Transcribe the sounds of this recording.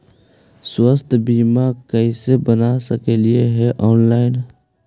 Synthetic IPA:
swəst̪ʰbiːmakəisebənasəkelieɦɛʔɔːnlaːɪn

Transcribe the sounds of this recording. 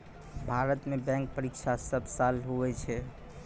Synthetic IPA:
bʱaɾət̪mebɛ̃ŋk̚pəɾikt͡ʃʰasəbsalɦoʋɛt͡ʃʰɛ

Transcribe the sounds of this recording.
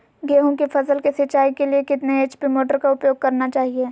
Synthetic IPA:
ɡeːɦõkifʰɐsəlkesɪt͡ʃːaːikeliekɪt̪neeːt͡ʃpɪmoːʈəɾkaʊpjoːɡ̚kɐɾnat͡ʃaːɦieː

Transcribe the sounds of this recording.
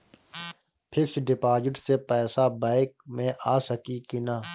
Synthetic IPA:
pʰɪksɖɪpaːd͡ʒɪʈsepɛːsabaːɪk̚mẽʔaːsəkikina

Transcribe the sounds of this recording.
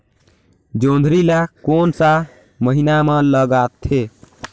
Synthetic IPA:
d͡ʒond̪ʱɾilakonsa | məɦinamə̃ləɡat̪ʰːe

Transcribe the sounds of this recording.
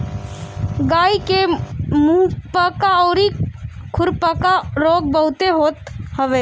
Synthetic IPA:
ɡaːikemuːpəkaɔːɾikʰʊɾpakaɾoːɡ̚bəɦʊt̪eɦoːt̪həʋeː

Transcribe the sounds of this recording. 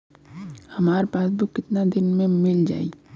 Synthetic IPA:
hɐmaːɾepaːsbʱikɪt̪nad̪ɪnmẽmɪld͡ʒa̰ːiː

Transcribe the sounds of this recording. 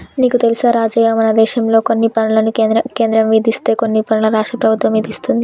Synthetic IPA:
niːkut̪elisaːɾaːd͡ʒɐjɐmɐnɐd̪ɛːʃɐmlo̞ːkonːipɐnulɐnuɐke̞ːnd̪ɾɐmʋiːd̪ist̪e̞ːkonːipɐnulɐɾaːʂʈɾɐpɾɐbʱut̪ʋɐmʋiːd̪ist̪und̪i

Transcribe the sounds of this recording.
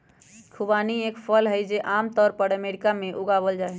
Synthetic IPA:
kʰubaniekpʰəlɦəjd͡ʒeʔamt̪ɔːɾpəɾəmeɾikamẽʔuɡabəld͡ʒaɛ

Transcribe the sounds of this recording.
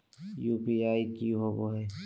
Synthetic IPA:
jupiajkiɦobɔɦɛ

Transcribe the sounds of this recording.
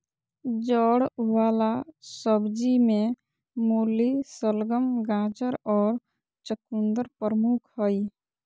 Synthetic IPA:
d͡ʒɔɽwaːlasəbd͡ʒimẽ | molisəlɡəmɡãd͡ʒəɾɔːɾ | t͡ʃəkund̪əɾpɾəmukʰhəi

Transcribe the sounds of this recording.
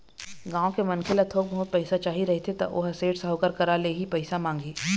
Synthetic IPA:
ɡãːõkemɐnkʰɪlɐt̪ʰoːk̚bɐɦʊt̪̚pɛɪsat͡ʃaːɦiɾɐɦet̪ʰet̪ɐ̰ʔo̰ːɦɐseːɽsɐɦokəɾkɐɾaleɦipɛɪsamãːŋɡeː

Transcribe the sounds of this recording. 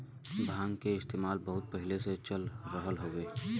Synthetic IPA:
bʱãːŋɡkeɪst̪eːmaːlbɐɦʊt̪̚pɛɦɪleset͡ʃəlɾəɦəlɦoːɡeː

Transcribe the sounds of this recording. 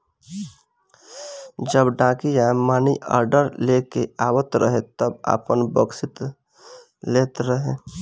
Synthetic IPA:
d͡ʒəbɖãːkijamaːniʔə̰ːɾɖəɾlekeaːwət̪ɾəɦet̪əba̰ːpənbəɡsɪt̪ | leːt̪ɾəɦẽː

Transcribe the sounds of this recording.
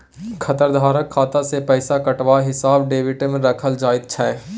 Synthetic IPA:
kʰɐt̪əɾd̪ʱaːɾəkʰːaːt̪asepɛːsakɐʈʋaɦɪsaːbɖeːʋɪʈemẽɾɐkʰəld͡ʒaːɪt̪̚t͡ʃʰɛː

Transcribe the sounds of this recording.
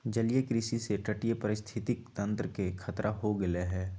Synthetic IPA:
d͡ʒɐlijekɾɪsiseʈəʈijepəɾɪst̪ʰɪt̪ɪk̚t̪ə̃nt̪ɾəkekʰɐt̪ɾʔaɦoɡɐleɦɛː

